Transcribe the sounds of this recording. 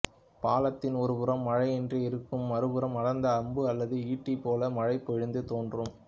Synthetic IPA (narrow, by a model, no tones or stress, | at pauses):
paːlɐt̪ːɪnɔɾɯʊɾɐmːɐɻɐɪɛndrɯɪɾɯkːɯmːɐɾɯbɯɾɐmɐɽɐnd̪ɐːmbɯɐlːɐðɯiːʈːipːoːlɐmɐɻɐɪpːɔɻɯnd̪ɯt̪oːndrɯm